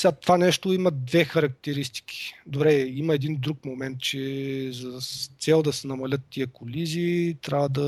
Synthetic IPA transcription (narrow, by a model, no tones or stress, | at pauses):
sʲat̪vanɛʃt̪oimɐd̪vɛxɐɾɐk̚t̪ɛɾist̪i̥kʲi̥d̪obɾɛimɐɛd̪ind̪ɾuk̚momɛnt̪̚t͡ʃɛzɐt̪sɛlˠd̪ɐsɛnɐmɐlʲɤt̪ːiəkolizit̪ɾʲavəd̪ɐ